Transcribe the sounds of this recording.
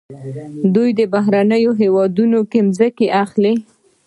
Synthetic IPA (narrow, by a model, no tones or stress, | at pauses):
d̪ujd̪əbaɦɾanəjoɦewɑd̪unokemzəkeʔaxle